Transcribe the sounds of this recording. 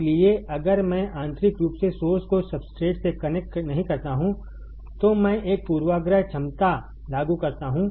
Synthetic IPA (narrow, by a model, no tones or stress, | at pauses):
lieʔɐɡəɾmɛ̃ʔãːnt̪ɾɪkɾuːpsesoːɾskosɐbsʈɾeːʈsekɐnɛk̚ʈnɐɦĩkɐɾt̪aɦũ | t̪omɛ̃ːʔeːk̚puːɾʋaːɡɾəɦt͡ʃʰɐmt̪a | laːɡukɐɾt̪aɦũː